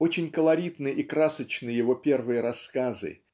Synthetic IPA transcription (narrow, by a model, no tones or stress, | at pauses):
o̞t͡ɕɪnʲkəlˠɐɾʲit̪nɨikɾasət͡ɕnɨjɪvo̞pʲe̞rvɨjəɾɐskazɨ̰